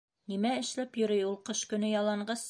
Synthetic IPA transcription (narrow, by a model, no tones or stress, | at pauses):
nimæɘ̆ʃlæpjɵ̆ɾɘjulˠqɤʃkɵ̆nɵjɑlˠɑɴɢɑs